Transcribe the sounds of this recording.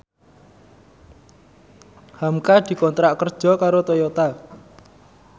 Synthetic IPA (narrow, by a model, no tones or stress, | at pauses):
hamkad̪̥i̤kɔnt̪ɾaʔkərd̥ʒ̥ɔ̤kaɾot̪ɔjɔt̪a